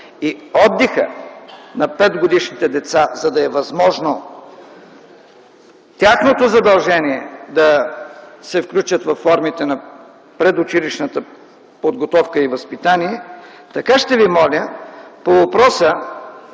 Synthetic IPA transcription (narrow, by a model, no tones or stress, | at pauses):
iɔd̪ːixə̰nɐpɛd̪ɡod̪iʃnit̪ɛd̪ɛt̪sazɐd̪ɐɛvɐzmɔʒno | t̪ʲaxnot̪ozɐd̪ɐlˠʒɛniɛd̪ɐ | sɛfklʲut͡ʃət̪vɐfːɔɾmit̪ɛnɐ | pɾɛd̪ot͡ʃiliʃnət̪ə | pod̪ɡot̪ɔfkəivɐspit̪aniɛ | t̪ɐkaʃt̪ɛvimɔlʲəpovɐpɾɔsə